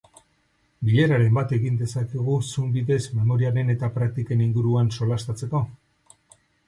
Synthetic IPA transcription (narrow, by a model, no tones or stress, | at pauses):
biʎe̞ɾaɾe̞mbat̪e̞ɣind̪e̞sakeɣ̞usumbiðe̞zme̞mo̞ɾiaɾe̞ne̞t̪apɾak̚t̪ike̞niŋɡuɾuanso̞last̪at͡se̞ko̞